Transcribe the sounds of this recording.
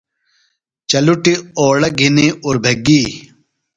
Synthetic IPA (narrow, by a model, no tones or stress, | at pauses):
t͡ɕɐluʈioːɽɐɡʱiniuɾbʱeɡi